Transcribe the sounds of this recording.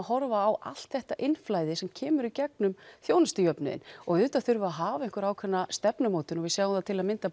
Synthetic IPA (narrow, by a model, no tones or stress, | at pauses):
hɔɾvaːwʔa̰l̥t̪θɛht̪aʔɪnflaːjðɪsɛmcʰɛːmʏɾicɛk̚nʏmθjoːwnast̪ɪjœpnʏ̰ðɪ̰nɔɣʏːt̪aθʏɾvʏaɦaːvaɪŋ̥kʏɾaːwkʰvɛnːast̪ɛpnʏmoːwt̪ʏnɔɣvɪsaːɣamθat̪ʰɪlaðmɪnt̪a